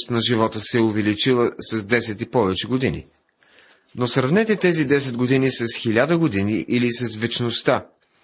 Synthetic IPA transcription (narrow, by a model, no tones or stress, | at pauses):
st̪nɐʒivɔt̪əsɛʊvɛlit͡ʃilˠəsɐzd̪ɛsɛt̪ipɔvɛt͡ʃɛɡod̪inḭ | nosɾɐvnɛt̪ɛt̪ɛzid̪ɛsɛd̪ɡod̪inisɐsxilʲad̪əɡod̪iniʔilisɐsvɛt͡ʃnost̪a